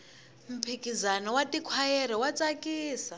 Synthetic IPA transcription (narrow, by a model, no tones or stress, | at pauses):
m̩pʰikizanɔwatikʰwajɛɾɛwat͡sakʼiːsa